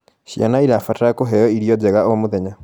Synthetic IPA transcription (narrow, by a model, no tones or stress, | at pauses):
ʃja̰naiɾafataakoɦɛjɔiɾijɔd͡ʒɛɣaomoðɛɲa